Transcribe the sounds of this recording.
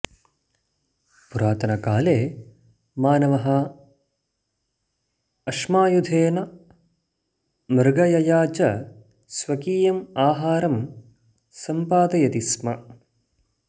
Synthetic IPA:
puɾaːt̪ʰɐnɐkaːleː | maːnɐʋɐɦɐ | ɐʂmaːjud̪ʱeːnɐ | mɐɾɡɐjɐjaːt͡ʃɐ | sʋɐkiːjɐmaːɦaːɾɐm | sɐmpaːd̪ɐjɐt̪ismɐ

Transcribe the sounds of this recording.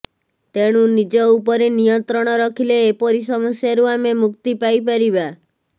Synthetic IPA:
t̪eɽ̃unid͡ʒɔupɔɾenijɔnt̪ɾɔɽ̃ɔɾɔkʰileːpɔɾis̬ɔmɔsjaɾuamemuk̚t̪ipajpaɾiba

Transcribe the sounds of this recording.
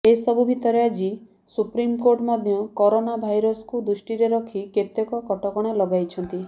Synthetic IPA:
esɔbubʱit̪ɔɾead͡ʒi | supɾimkoɾʈmɔd̪ʱjɔkɔɾonabʱajɾɔsɔ̥kud̪ɾusʈiɾeɾɔkʰiket̪jɔkɔkɔʈɔkɔɽ̃elɔɡajt͡ʃʰɔnt̪i

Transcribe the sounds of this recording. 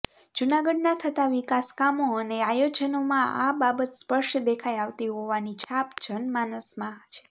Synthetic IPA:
d͡ʒunaɡəɖnat̪ʰət̪aʋikaskamoəneajod͡ʒənomãababət̪spəʃd̪ekʰajaʋt̪iɦoʋanit͡ʃʰapd͡ʒənmanəsmãt͡ʃʰe̥

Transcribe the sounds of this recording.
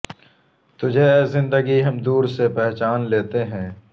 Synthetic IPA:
t̪ʊd͡ʒʱezɪ̃nd̪əɡiɦɐmd̪uːɾsepɛɦt͡ʃaːnleːt̪eɦɛ̃ː

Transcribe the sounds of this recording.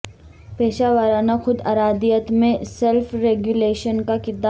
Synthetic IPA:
peːʃaːʋəɾaːnaxʊd̪aɾaːd̪ijət̪mẽsɛlfɾeːɡjuleːʃənkakɪɾd̪a

